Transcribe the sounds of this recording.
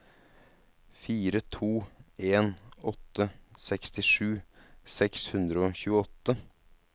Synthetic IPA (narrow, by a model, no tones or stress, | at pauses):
fiːɾət̪ʰuːeːnɔt̪ːəsɛkst̪ɪʂʉːsɛkshʉnd̪ɾəoːçʉːəɔt̪ːə